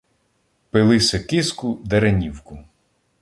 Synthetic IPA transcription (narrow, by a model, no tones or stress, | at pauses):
pɪlˠɪsʲɐkɪskʊd̪eɾɐnʲiwkʊ